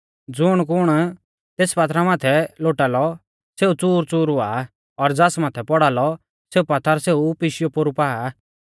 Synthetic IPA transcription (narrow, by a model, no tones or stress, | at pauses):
d͡zʊɽ̃k̬ʊɽ̃ | t̪eːspat̪ɾamaːt̪ʰɛloːʈaːlɔ | seːut͡suːɾt͡suːɾʊa̰ː | ɔɾd͡zasmaːt̪ʰɛpɔɽaːlɔ | seːupat̪ʰːaɾseːupɪʃɪjɔpoɾupaːa